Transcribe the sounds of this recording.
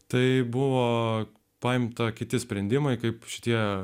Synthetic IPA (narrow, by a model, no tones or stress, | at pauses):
t̪ɐɪbʊʋoː | pɑɪmt̪ɐkʲɪt̪ʲɪsʲpʲɾʲɛnd̪ʲɪmɐɪkɐɪpʃʲɪ̥t̪ʲiɛ